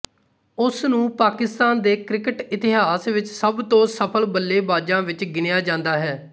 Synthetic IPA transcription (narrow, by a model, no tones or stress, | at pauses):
ʊsnũːpaːkɪst̪aːnd̪eːkɾɪkəʈɪt̪ɪɦaːsʋɪt͡ʃsəbt̪õːsəpʰəlbəlːeːbaːd͡ʒãːʋɪt͡ʃɡɪnjaːd͡ʒãːnd̪aːɦɛː